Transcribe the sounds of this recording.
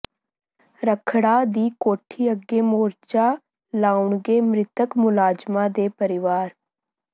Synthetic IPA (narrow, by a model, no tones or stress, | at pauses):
ɾəkʰɽaːd̪iːkoːʈʰiːəɡeːmoːɾt͡ʃaː | laːʊɳɡeːmɾɪt̪əkmʊlaːd͡ʒmãd̪eːpəɾɪʋaːɾ